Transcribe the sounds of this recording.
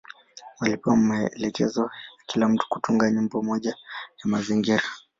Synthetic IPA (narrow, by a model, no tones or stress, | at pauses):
walipamɛlɛkɛ̰zɔakilam̩tu̥ku̥tuŋɡaɲumbɔmɔʄajamaziŋɡiɾa